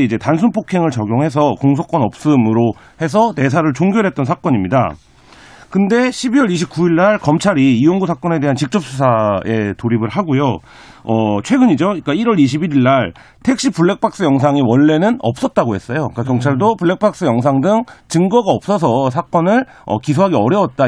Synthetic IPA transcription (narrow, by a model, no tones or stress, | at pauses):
id͡ʑe̞tans̬ʰunpʰokʰe̞ŋɯɭt͡ɕʌɡjoŋɦe̞s̬ʰʌkoŋs̬ʰok͈ʌnʌp̚s͈ɯmɯɾo | he̞s̬ʰʌte̞s̬ʰaɾɯɭt͡ɕoŋɡjʌɾɦe̞t̚t͈ʌnsʰak͈ʌɲimɲida̰ | kɯnde̞ɕʰibiwʌɾiɕʰip̚k͈uiɭːaɭkʌmt͡ɕʰaɾiːwʌŋɡusʰak͈ʌne̞de̞ɦant͡ɕik̚t͡ɕ͈ʌp̚s͈ʰusʰae̞toɾibɯɭɦaɡojo | ʌt͡ɕʰwe̞ɡɯɲid͡ʑoik͈aiɾʌɾiɕ̬ʰibiɾiɭːaɭ | tʰe̞k̚ɕ͈ipuɭːe̞k̚p͈ʰak̚s͈ɯjʌŋs̬ʰaŋiwʌɭːe̞nɯnʌp̚s͈ʌt̚t͈aɡoɦe̞s͈ʌjok͈akjʌŋt͡ɕʰaɭdopuɭːe̞k̚p͈ʰak̚s͈ɯjʌŋs̬ʰaŋdɯŋt͡ɕɯŋɡʌɡaʌp̚s͈ʌs̬ʰʌsʰak͈ʌnɯɭ | ʌ̰kisʰoɦaɡeʌɾjʌwʌt̚t͈a